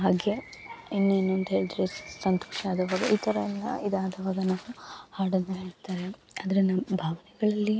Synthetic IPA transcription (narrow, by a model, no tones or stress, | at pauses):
ɦaːɡe | inːeːnːuɐnd̪uɦe̞ːɭd̪iɾesɐnt̪o̥ːʂaːd̪ɐʋaːɡɐ̰ʔiːt̪ʰɐɾɐɛlːɐ̰id̪aːd̪ɐʋaːɡɐnaːʋuhaːɽɐnːɐɦeːɭt̪aːɾeaːd̪ɐɾinːɐbʱaːʋɐnɛɡɐɭɐlːi